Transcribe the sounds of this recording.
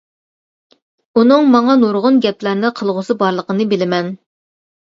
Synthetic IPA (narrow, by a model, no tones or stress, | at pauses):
unɨŋmɑŋɑnoɾʁʊnɡʲɛplæɾnɨqʰəlˠʁʊsɨbɑɾlˠəqənɨbɪlɪmɛn